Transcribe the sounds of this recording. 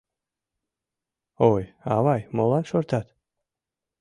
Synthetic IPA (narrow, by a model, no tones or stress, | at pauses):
oja̰vajmolˠanʃɔɾt̪ʰat̪